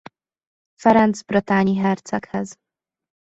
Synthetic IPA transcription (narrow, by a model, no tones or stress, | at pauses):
faɾand̪zbɾɨt̪aɲiɦɛɾt̪sakhɛz